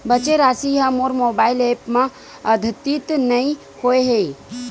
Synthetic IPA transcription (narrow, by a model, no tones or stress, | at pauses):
bət͡ʃeɾaːsiɦɐmoːɾmoːbaːɪleːpmã | ɐd̪ʱət̪it̪nɐĩ | hoeɦe